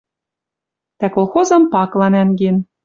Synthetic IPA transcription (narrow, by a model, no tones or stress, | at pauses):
t̪ækolˠxozɤ̆mpɑklˠɑnæŋɡen